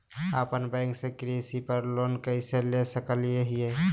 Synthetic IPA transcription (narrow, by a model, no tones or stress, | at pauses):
apənbɛ̃ŋksekɾesipəɾlonkəɪselesəkəlijeɦije